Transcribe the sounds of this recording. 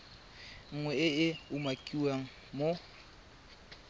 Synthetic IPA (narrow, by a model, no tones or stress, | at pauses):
ŋ̩ŋwɛɪɪʊmakʼiwaŋ̩ | mo